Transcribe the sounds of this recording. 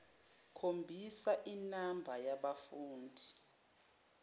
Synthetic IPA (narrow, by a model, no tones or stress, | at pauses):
kʰombʱisaʔinambʱajaɓafuːndʱi